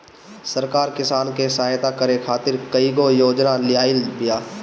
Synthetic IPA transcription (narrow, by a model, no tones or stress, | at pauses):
səɾkaːɾkɪsaːnkesaːjt̪akəɾekʰaːt̪ɪɾkəiɡojoːd͡ʒnalɪjaːɪlbɪjaː